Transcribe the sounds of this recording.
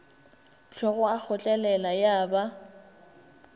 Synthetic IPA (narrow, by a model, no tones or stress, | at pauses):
t͡ɬʰwɛɣʊak͡xʰʊt͡ɬʼɛlɛlajaːba